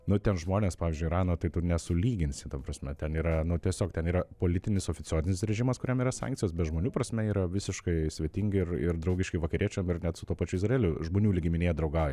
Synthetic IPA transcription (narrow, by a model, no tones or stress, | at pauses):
nʊt̪ʲɛnʒmoːnʲeːspɑːʋʲɪzʲd͡ʒʲʊɪɾɑːnot̪ɐɪt̪ʊnʲɛsʊlʲiːɡʲɪnʲsʲɪt̪ɐmpɾɐsʲmʲɛt̪ʲɛniːɾɐnʊt̪ʲiɛsʲoːkt̪ʲɛniːɾɐpoːlʲɪt̪ʲɪnʲɪsoːfʲɪt͡s̪ʲoːzʲɪnʲɪsɾʲɛʒʲɪmɐskʊɾʲɛmiːɾɐsɑ̰ːŋktt͡sʲɪjoːs̬bʲɛt̪ʒmoːnʲuːpɾɐsʲmʲɛiːɾɐʋʲɪsʲɪʃkɐɪsʲʋʲiɛt̪ʲɪŋʲɡʲɪɪrɪ̰rd̪ɾɐʊɡʲɪʃkʲɪʋɐkɐɾʲiɛt͡ʃʲɛmɪrnʲɛt̪sʊt̪uɔpɑːt͡ʃʲuːɪzrɐeːlʲʊʒmoːnʲuːlʲiɡʲɪmʲɪnʲeːjɛd̪ɾɐʊɡɑʊjɛ